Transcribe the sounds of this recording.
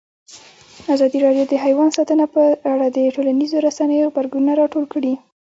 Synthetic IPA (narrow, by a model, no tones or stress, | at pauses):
azɑd̪iɾɑɖjod̪əɦajwɑnsɑt̪ənapəaɽad̪əʈolanizoɾasanəjoɣbaɾɡununaɾɑʈolkɽi